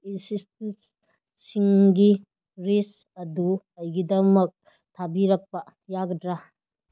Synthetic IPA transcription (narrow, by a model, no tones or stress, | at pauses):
insistensː | iŋɡi | ɾes | ɐdu | ɐjɡidɐmɐk̚ | tʰabiɾɐk̚pɐ | jaɡɐdɾa